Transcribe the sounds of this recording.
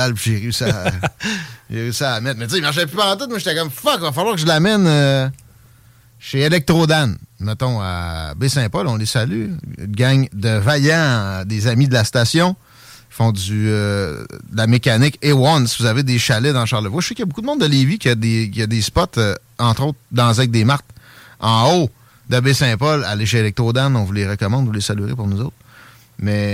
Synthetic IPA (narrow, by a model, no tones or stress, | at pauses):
alpʒeʁsa | ʒeʁysaamɛt̪̚mɛt͡seimaʁʃ̬ɛpypãt̪ʊt̪̚mwəʃet̪ɛkʌmfɔkvafalwaːʁkəʒəlamɛnø | ʃeːlɛk̚t̪ʁod̪anmət̪ɔ̃a̰besɛ̃pɔlɔ̃lesaly̰lɡʲaŋd̪əvajãd̪ezamid̪əlast̪aːsjɔ̃ | i̥fɔ̃d͡zyød̪əlamekʲanɪkewɔnsivuzaved̪eʃalɛd̪ɑ̃ʃaʁləvwaʃsɛkjɐbukud̪əmɔ̃d̪d̪əlevikʲjɐd̪ekʲjəd̪espɔt̪ə | ɑ̃t̪ʁot̪̚d̪ɑ̃zɛɛk̚d̪eːmaʁt̪ɑ̃o | d̪əbesɛ̃pɔla̰leʃelɛk̚t̪ʁod̪anɔ̃vuleʁəkɔmɑ̃d̪vulesalyʁḛpʊʁnuzoʊt̪χ | mɛ